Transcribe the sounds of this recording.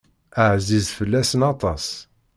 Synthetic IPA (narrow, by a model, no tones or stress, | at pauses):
əʕzizfəlːæsnɑt̪ˤɑs